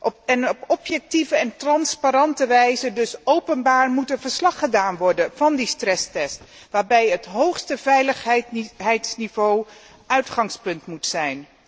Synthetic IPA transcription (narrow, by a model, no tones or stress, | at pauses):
ʔɔɛnɔpɔpjɛk̚tivəɛntrɑnspaɾɑntəʋɛjzədɵsowpənbaːɹmutənvəɹslɑχədaːnʋɔɹdənv̥ɑndistrɛstɛst | ʋaːɹbɛjɦətɦowχstəvɛjləχɦɛtɦɛjtsnivow | ʔœɥtχɑŋspɵntmutsɛjn